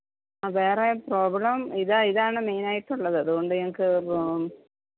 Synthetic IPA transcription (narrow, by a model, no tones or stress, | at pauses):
ʋeːrepro̞ːbɭɐmiðaiðaːɳɨme̞ːnaːjiʈːuɭːɐðɨɐðuɣo̞ɳɖɨeŋɐkːɨ